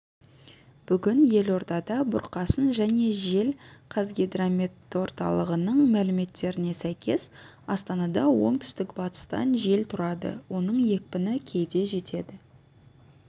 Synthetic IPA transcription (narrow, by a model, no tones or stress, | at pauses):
b̥ʏɡʲɪnje̞lo̞ɾt̪ɑd̪ɑbʊ̰ɾqɑsənʒæne̞ʒe̞lqʰɑzɡʲid̪ramʲet̪ːwo̞ɾt̪ɑ̰lˠəʁənəɴmælɪme̞t̪ːe̞ɾɪne̞sæjkʲʰe̞s | ɑst̪ɑnɑd̪ɑwo̞̰ɴt̪ʰʏ̥st̪ɪkbɑt̪ə̥st̪ɑ̰nʒe̞lt̪ʰʊɾɑd̪ə̰wo̞nəɴje̞k̚pɪnɪkʲʰe̞jd̪e̞ʒe̞t̪ʰe̞d̪ɪ